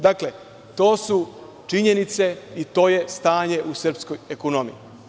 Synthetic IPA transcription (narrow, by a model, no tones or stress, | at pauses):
d̪akle | t̪o̞ːsu | t͡ʃiɲenit̪se̞it̪o̞ːje̞st̪aːɲe̞ʔusr̩psko̞jekonomḭji